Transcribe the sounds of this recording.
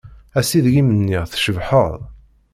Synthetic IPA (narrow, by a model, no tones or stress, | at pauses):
æsiðʝimənːiʁθʃəvħəðˤ